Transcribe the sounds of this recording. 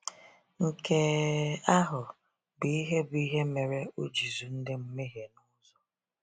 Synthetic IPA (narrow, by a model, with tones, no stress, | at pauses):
ŋ̩˨ke˦a˦ɦʊ˨ | bi˨i˦ɦe˦bʊ˨i˦ɦe˦me˨ɾe˦o˦d͡ʒi˨zu˨n̩˦dɪ˦m̩˦me˦ɦe˨nɔ˦zɔ˦